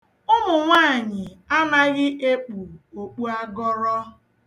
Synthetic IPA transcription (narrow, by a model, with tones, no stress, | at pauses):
ʊ˦mʊ˨ŋʷaː˦˨ɲɪ˨a˦na˦ɣɪ˦ʔe˦k͡pu˨o˨k͡pu˦a˦ɡɔ˦ɾɔ˦